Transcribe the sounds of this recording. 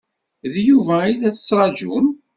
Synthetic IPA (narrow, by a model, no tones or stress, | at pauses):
ðjuvæilæθə̥t͡sːɾˤɑd͡ʒṵm